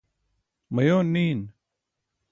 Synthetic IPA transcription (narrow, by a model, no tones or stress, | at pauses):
məjoːniːn